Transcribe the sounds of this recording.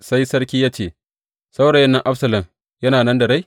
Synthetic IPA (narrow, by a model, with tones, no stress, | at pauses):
sa˦jsɐ˦ɾkʲiː˦jaː˦t͡ʃeː˨ | sa˦wɽɐ˨jɐ˦nːɐ˦ŋʔa˦ɸsɐ˨lɐ˨m | jɐ˦naː˨nɐ˦ndɐ˨ɽa˦j